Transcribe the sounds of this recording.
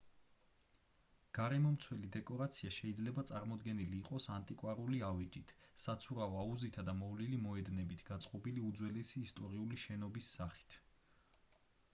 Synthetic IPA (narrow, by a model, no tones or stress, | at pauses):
ɡ̥aɾɛmɔmt̪sʰwɛlid̪ɛkʼɔɾat̪sʰiaʃɛid̪zlɛbat̪sʼaɾmɔd̪ɡɛniliːqʼɔsant̪ʼikʼwaɾuliavit͡ʃʼit̪ʰsat̪sʰuɾaɔauzit̪ʰad̪amɔvlilimɔɛd̪nɛbit̪ʰɡ̥at̪sʼqʼɔbiliud̪zwɛlɛsiːst̪ʼɔɾiuliʃɛnɔbisːaχi̥t̪ʰ